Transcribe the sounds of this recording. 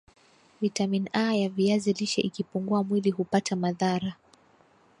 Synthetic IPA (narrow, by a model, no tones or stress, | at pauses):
vitaminajaviaziliʃɛ̰ʔikipuŋɡuamwiliɦupatamaðaɾa